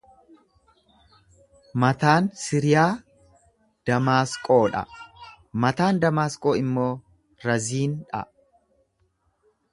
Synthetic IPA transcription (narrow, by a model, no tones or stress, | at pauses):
mɐt̪aːnsɪɾɪjaː | d̪̥ɐmaːskʼo̞ːᶑɐ̰ | mɐt̪aːnd̪ɐmaːskʼoːɪmːo̞ː | ɾɐziːnᶑɐ̰